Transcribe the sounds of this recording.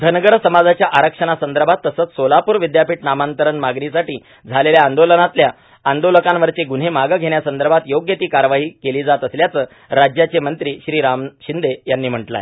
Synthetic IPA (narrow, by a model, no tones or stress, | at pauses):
d̪ʱənəɡəɾsəmad͡zat͡ɕjaʔaɾəkʂəɳ̃asənd̪əɾbʱat̪ːəsəːt͡ssolapuːɾʋid̪japiːʈ̚namant̪əɾəɳmaɡnisaʈiː | d͡zʱaleljaːnd̪olənat̪lja | and̪oləkãnʋəɾt͡seɡun̤emaɡəɡʱeɳjasənd̪əɾbʱat̪joɡjet̪iːkaɾʋaɦiːkeliːd͡zat̪əsljat͡səː | ɾad͡ʑjat͡ɕemənt̪ɾiːɕɾiːɾamɕind̪ejanːiːm̤əʈla̰e